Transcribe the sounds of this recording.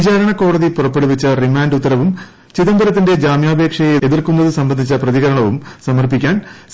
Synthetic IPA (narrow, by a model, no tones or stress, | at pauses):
t͡ɕaːɾɐɳɐko̞ːɽɐðipurɐpːe̞ɽuʋɐt͡ɕːɐrimaːnɖut̪ːɐɾɐʋum | t͡ɕiðɐmbɐɾɐt̪ːinde̞d͡ʑaːmjaːbʱe̞ːkʂɐjeðirkunːɐðɨsɐmbɐnd̪ʱit͡ɕːɐprɐðiɣɐɾɐɳɐʋumsɐmɐrpikʲːaːn